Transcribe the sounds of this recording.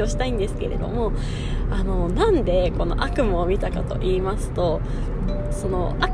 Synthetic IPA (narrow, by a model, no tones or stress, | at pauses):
oɕi̥t̪aĩnd̪e̞sɨ̥ke̞ɾʔe̞̰d̪o̞̰mo̞ | ano̞nãnd̪e̞ko̞no̞̰ʔakɯ̟maomʲit̪akat̪o̞̰ʔiːmasɨ̥t̪o̞ | so̞no̞̰a